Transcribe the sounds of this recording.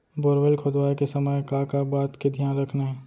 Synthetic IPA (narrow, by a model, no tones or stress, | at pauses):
boɾʋelkʰod̪ʋaːekesəməjkakabaːt̪ked̪ʱjaːnɾɐkʰnaɦɛ̃ː